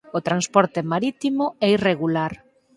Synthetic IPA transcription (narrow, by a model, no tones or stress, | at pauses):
ot̪ɾanspɔɾt̪emaɾit̪imoɛireɣulaɾ